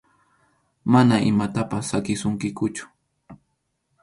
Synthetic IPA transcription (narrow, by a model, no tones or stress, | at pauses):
manaʔɪ̰mat̪apasːakɪsʊŋkɪkʊt͡ʃʊ̥